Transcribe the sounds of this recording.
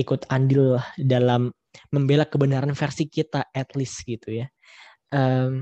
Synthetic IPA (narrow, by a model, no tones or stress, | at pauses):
ikʊt̪andɪlːahdalamː | əmbelakəbənaɾanfɛrsikit̪aɛt̪lɪsɡit̪uja | ʔəm